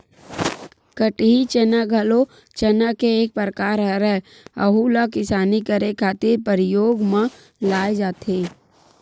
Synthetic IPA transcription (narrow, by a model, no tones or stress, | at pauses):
kəʈɦit͡ʃeːnaɡʱəlo | t͡ʃɛnakeːk̚pɾəkaːɾəɦɾɛ | ɐ̰ɦulakɪsaːnikəɾekʰaːt̪ɪɾpəɾjoːɡmã | laːed͡ʒaːt̪ʰeː